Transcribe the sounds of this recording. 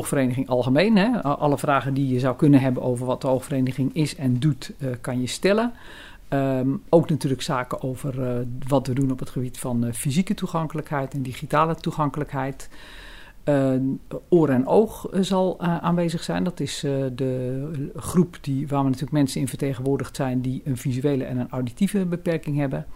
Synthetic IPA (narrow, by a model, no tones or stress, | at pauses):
oxfəreːnəɣɪŋʔɑlˠɣəmeːnɦɛʔɑləfraːɣədijəzawkɵnənɦɛbənʔoːvərʋɔt̚dəoxfəreːnəɣɪŋɪsɛndutkanjəstɛlə | owknatyːləksaːkəʔowvərʋɔtʋədunɔpətχəbitfɔnfizikətuxaŋkələkhɛjtɛndixitaːlətuxaŋkələkɦɛjt | oːɾɛnowxzɔlˠʔaːnʋeːzəxsɛjndɔtɪsdə | χrupdiʋaːmənatyːləkmɛnsənɪnfərteːɣənʋʊːrdəxtsɛjndiənfizyeːləɛ̰nənawditivəbəpɛrkɪŋɦɛbə